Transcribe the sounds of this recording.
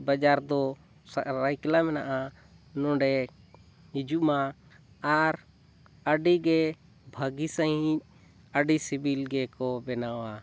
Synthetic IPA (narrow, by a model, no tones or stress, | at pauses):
bad͡ʒaɾd̪ɔ | sɾajklamɛnaʔa | nɔ̃ɖɛ | id͡ʒuma | aɾ | əɖiɡɛ | bʱəɡisəɦĩc̚ | əɖisibʱilɡɛkɔbɛnawa